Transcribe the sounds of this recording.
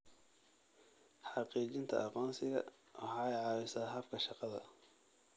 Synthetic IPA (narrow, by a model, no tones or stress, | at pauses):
ħɑqiːt͡ʃɪnt̪ʰɐ̰ʔɑqɔːnsɪɣɐ̰ | wɑ̰ħɑːɛjʕɑːwɪsaːɦɐbkʰɐʃɑqɑðɐ̰